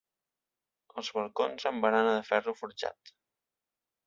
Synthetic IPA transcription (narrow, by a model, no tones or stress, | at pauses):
əlˠzβəlˠkonzəmbəɾanəðəfɛrufuɾʒa̰t̪